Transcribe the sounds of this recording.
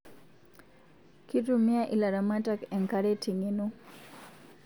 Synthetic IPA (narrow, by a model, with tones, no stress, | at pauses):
ki˦tu˦mɪ˦a˦ʔi˨la˨ɾa˨ma˦ta˦kɛ˨ŋka˦ɾe˦ti˨ŋe˨nu˦